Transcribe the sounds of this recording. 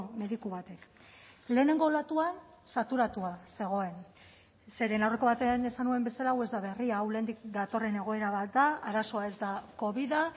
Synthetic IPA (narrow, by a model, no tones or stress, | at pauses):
me̞ðikuβat̪e̞k | le̞ːne̞ŋɡo̞lat̪ua | sat̪uɾat̪uase̞ɣ̞o̞e̞n | se̞ɾe̞nawre̞ko̞βat̪eane̞sanue̞mbe̞salawe̞zd̪aβe̞riawlend̪ikd̪at̪o̞re̞ne̞ɣo̞e̞ɾaβat̪d̪aaɾaso̞ae̞zd̪ako̞βiða